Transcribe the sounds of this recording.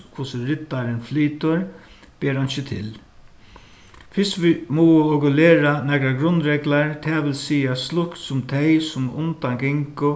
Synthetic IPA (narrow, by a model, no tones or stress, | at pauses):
kʰʊsɪɾɪt̪ːaɾɪnfliːt̪ʊɾ | b̥ɛːɾanɕɪt̪ʰɪ̰l | fɪst̪ʋimɔːwʊɔkʊlɛːɾanɛkɾaɡɾʊnːɾɛklaɹt̪ʰɛːʋɪlsiːaslʊkt̪sʊmt̪ʰejsʊmʊ̰nt̪anɡɪŋkʊ